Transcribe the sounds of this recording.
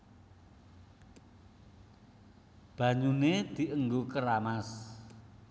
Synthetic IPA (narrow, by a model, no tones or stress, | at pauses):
b̥ä̤ɲuned̪̥i̤ʔəŋɡokəɾamas